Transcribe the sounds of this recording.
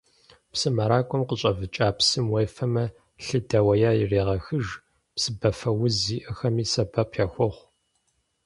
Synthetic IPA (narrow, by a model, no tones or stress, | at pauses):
psɨmɐɾaːkʷʼɔmqəɕʼɐvɨt͡ʃʼaːpsɨmwejfɐmɐ | ɬɨdɐwɐjaːjɪreːʁɐxɨʒ | psɨbɐfɐwʊziːʔɐxɐmiːsɐbɐpʰjaːxʷɔχʷ